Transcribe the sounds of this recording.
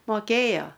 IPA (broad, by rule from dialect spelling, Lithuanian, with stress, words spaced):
moːˈkʲeːjoː